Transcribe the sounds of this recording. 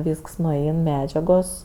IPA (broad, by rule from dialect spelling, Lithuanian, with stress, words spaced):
ˈʋʲiːsks nʊˈɛɪn ˈmʲæːd͡ʒʲɛɡoːs